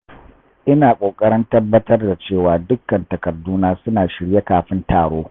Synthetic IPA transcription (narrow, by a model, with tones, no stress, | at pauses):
ʔɪ˦naː˨kʷʼoː˨kʼɐ˦ɽɪ˦ntɐ˦bːɐ˦tɐ˦rda˨t͡ʃeː˦˨waː˨dʊ˦kːɐ˨ntɐ˨kɐ˨duː˦naː˦sʊ˦naː˨ʃɪ˨˦ɽje˦kaː˨ɸɪ˦ntaː˨ɽoː˦